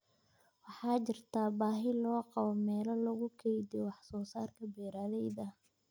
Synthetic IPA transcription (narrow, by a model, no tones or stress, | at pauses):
wɑħɑːt͡ʃɪrt̪ʰaːbaːɦɪlɔːqɑβɔmɛːlɐlɐɣʊkʰɛjd̪ɪwɑħsɔːsaːrkʰɐbɛːɾaːlɛjðɐ